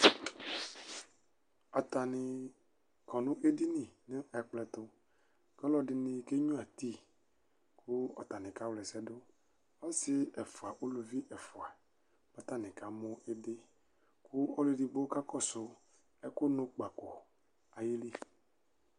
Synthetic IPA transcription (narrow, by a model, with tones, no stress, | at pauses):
ɔ˨t̪a˨nɪ̃˨ | kɔ˨nũ˦ʔe˦di˦nĩ˨nẽ˦ɛ˨k͡plɛ˨t̪o˦ | ke˦lɔ˦ɖɪ˦nĩ˦ke˦ɲũ˦a˨t̪i˦ | kʰu˦ɔ̰˨t̪a˨nɛ̃˨ka˦wlɛ˨sɛ˦do˦ | ɔ˦sɪ˦ɛ˨fo˨a˨ʔo˦lo˨vi˦ʔɛ˨fo˨a˨ | pa˦t̪a˦nɛ̃˨ka˦mo˦e˦de˦ | kʰu˦o˦le˦ɖi˨ɡ͡bo˦ka˦kɔ˦so˦ | e˦ko˦nũ˦k͡pa˨ko˨ | a˨ji˦li˦